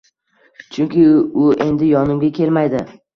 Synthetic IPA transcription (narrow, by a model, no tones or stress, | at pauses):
t͡ʃʰʊŋkʲɪʊe̞nd̪ɪjɒnɪmɡʲakʲʰe̞lmajd̪ɪ